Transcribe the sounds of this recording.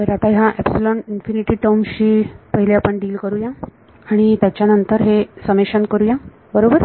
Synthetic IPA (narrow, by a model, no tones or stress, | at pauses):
əɾat̪aɦãʔɛbsuləɳʈinfiniʈiːʈəmɕiːpəɦileapəɳɖiːlkəɾujã | aɽ̃it̪jat͡ɕjanənt̪əɾɦesəmeɕənkəɾuːjã | bəɾobəɾ